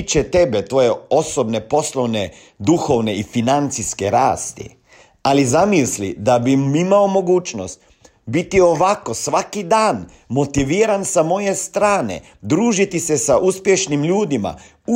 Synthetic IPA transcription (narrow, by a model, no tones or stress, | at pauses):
t͡ʃet̪e̞be̞t̪ʋo̞je̞o̞so̞bne̞po̞slo̞ʋne | d̪uxo̞ʋne̞ifinant̪siske̞ɾa̰ːst̪ḭ | alizamislḭd̪abimimao̞mo̞ɡuːt͡ʃno̞̰st̪ | bit̪io̞ʋako̞sʋakid̪aːn | mo̞t̪iʋiːɾansamo̞je̞st̪ɾaːnḛ | d̪ɾuːʒit̪ise̞saʔuspje̞ʃnimʎuːd̪ima̰ | u